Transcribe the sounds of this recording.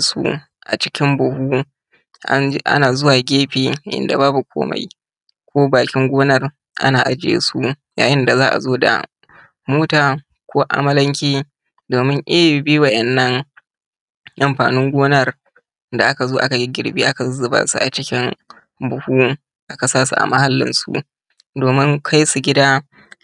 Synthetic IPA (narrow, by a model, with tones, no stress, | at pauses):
sṵ˦ | ʔa̰˨t͡ʃɪ̥˦kʲɪ˦mbʊ˨huː˦ | ʔa̰˦ʔa̰˦naː˨zʊ˦waː˨ɡʲeː˦ɸeː˨ʔɪ̰˨nda̰˨baː˦bu˨kʷʰo̰ː˦ma̰˨j | kʷʰoː˦baː˨kʲɪ˦ŋɡʷoː˦nɐ˨r | ʔa̰˦naː˨ʔa˦d͡ʒɪ˦ḛ˦su˦ja̰ː˨jɪ˦nda˨zaː˦ʔa̰˨zoː˦da̰˨ | moː˦taː˨ | kʷʰoː˦ʔa̰˦mɐ˦lɐ˦ŋkʲeː˦ | doː˨mɪ˦ŋʔe˦˨bi˦wɐ˨ʔɛ˨nːɐ˦ŋ | ʔa˨mɸaː˨nʊ˦ŋɡʷoː˦nɐ˦˨r | da˨ʔa˦ka˨zoː˦ʔa˦ka˨ɡi˦ɡʲɪ˨ɽbḭː˦ʔa˦ka˨˦zɪ˨ba̰ː˦sṵ˦˨ʔa˨t͡ʃɪ˦kʲɪ˦ŋ | bʊ˨huː˦ | ʔa˦ka˨saː˦sṵ˨ʔa̰˨ma˦ha˦lːɪ̰˦nsṵ˦ʔ | doː˨mɪ˦ŋkʰa˦jsu˨ɡʲɪ˦daː˦